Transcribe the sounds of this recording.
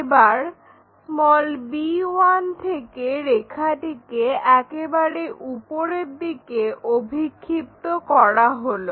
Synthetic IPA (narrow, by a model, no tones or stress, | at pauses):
ebaɾ | mɔlbiwant̪ʰekeɾekʰaʈikeɛkebaɾeʔupoɾeɾd̪ikeobʱikʰːip̚t̪okɔɾaɦolo